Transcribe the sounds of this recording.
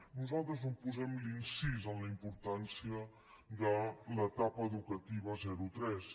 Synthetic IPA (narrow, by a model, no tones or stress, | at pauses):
nuzalˠt̪ɾəznupuzɛmlinsizənləimpuɾt̪ansiə | ðələt̪apəːðukət̪iβ̞əzɛɾut̪ɾɛs